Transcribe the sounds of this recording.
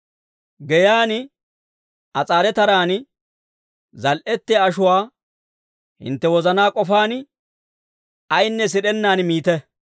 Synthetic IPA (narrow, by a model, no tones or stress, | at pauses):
ɡɛjaːn | ʔɐt͡sʼaːɾɛt̪ɐɾaːn | zɐlʔɛt̪ːɛɐʃʊwaː | hɪ̰nt̪ːɛwɔzɐnaːkʼɔfaːn | ɐjnːɛs̬ɪɗɛnːaːnmiːt̪ɛ